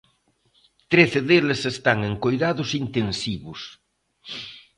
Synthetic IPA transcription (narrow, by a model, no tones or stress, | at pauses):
t̪ɾeθeðelesest̪aŋeŋkojðaðʊsint̪ensiβʊs